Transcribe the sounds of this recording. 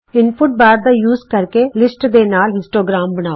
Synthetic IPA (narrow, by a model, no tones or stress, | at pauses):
ɪnpʰʊʈ̚baːɾd̪aːjuːzkəɾkeːlɪsʈd̪eːnaːlɦɪ̃nsʈoːɡɾaːmbəñaː